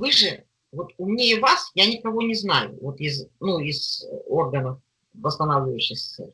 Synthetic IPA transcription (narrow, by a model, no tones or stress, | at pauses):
vɨʐɨ | vo̞t̪ʊmnʲeɪvasjanʲɪkɐvo̞nʲɪznajʊ̰vot̪ɪznuɪz̥o̞rɡənəf | vəst̪ɐnavlʲɪvəʉɕːɪxsʲt̪ḛlʲ